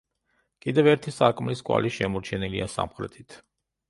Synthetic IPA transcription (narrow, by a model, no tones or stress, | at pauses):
kʼid̪ɛvɛɾt̪ʰisaɾkʼmliskʼwa̰liʃɛmɔɾt͡ʃʰɛniliasa̰mχɾɛ̰t̪ʰit̪ʰ